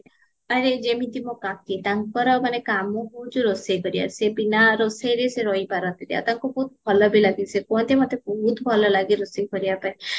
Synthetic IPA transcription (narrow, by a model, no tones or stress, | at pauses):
aɾed͡ʒemit̪imokãket̪aŋkɔɾɔmanekamɔɦuũd͡ʒuɾosekɔɾia̰sepinaɾosejɾeseɾɔipaɾɔnt̪id̪ia̰t̪aŋkɔbɔɦut̪̚bʱɔlɔbilaɡisekɔnt̪emɔt̪ːebɔɦut̪ɔbʱɔlɔlaɡiɾosekɔɾiapai